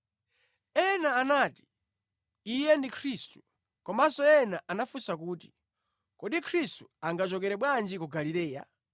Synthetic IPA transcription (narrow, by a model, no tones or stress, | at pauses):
ɛnaːnaːti̥ | ijɛndikʰɾistu̥ | kɔmasɔɛnaʔanafusak̬uːti̥ | kɔɗikʰɾistuaŋɡat͡ʃɔkɛɾɛɓwand͡ʒikuɡaliɾɛːja̰